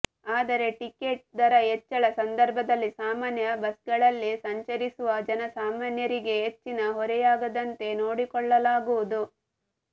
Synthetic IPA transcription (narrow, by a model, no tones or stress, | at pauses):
aːd̪ɐɾe̞ʈikeʈ̚d̪ɐɾɐɦet͡ʃːɐɭɐsɐnd̪ɐɾbʱɐd̪ɐlːisaːmaːnjɐbɐsɡɐɭɐlːisɐɲt͡ʃɐɾisuʋɐd͡ʒɐnɐsaːmaːnjɐɾiɡe̞ɦet͡ʃːinɐɦɔɾɛjaːɡɐd̪ɐnt̪e̞noːɽikɔɭːɐlaːɡuʋud̪u